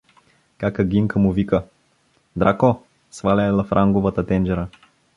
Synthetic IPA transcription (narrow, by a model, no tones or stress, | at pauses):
kakəɡiŋkəmuvikə | d̪ɾako | svalʲɛɛlˠɐfɾʔaŋɡovət̪ət̪ɛnd͡ʒɛɾə